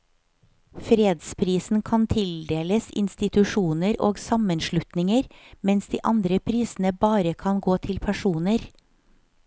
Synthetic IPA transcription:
fɾeːd̪spʰɾiːsn̩kʰɑnt̪ʰɪld̪eːləsɪ̰nst̪ɪt̪ʉʃuːnəɾo̰ːɡsɑmənʃɭʉt̪nɪŋəɾmɛnsd̪iːʔɑnd̪ɾəpʰɾiːsn̩əbɑːɾəkʰɑnɡoːt̪ʰɪlpʰæʂuːnəɾ

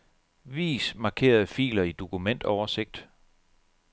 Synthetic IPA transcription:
ʋḭːsmɑ̈ːkʰe̝̰ːɐð̞̩ˠfḭːlɐid̥o̝kʰumen̰d̥ɒʊɐse̝ɡ̥̚d̥

